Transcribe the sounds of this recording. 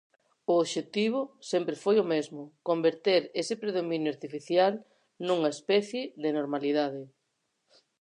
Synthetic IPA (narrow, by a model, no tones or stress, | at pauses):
ʊoβʃet̪iβ̞ʊsempɾefojomezmʊkombeɾt̪eɾesɪpɾeðomĩnjʊaɾt̪ifiθjal | nũŋɐespɛθjɪðenoɾmaliðað̞ɪ